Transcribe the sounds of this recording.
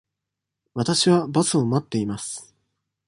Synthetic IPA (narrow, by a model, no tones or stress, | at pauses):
βat̪aɕiβabasɨo̞mat̪ːe̞imasɨ̥